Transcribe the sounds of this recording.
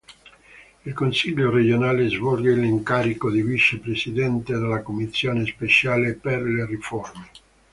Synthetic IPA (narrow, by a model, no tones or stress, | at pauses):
ilkonsiʎːored͡ʒonaːlezvɔlɡeliŋkaːɾikod̪ivit͡ʃepɾesid̪ɛnt̪ed̪elːakomisːjoːnespet͡ʃaːleperleriforme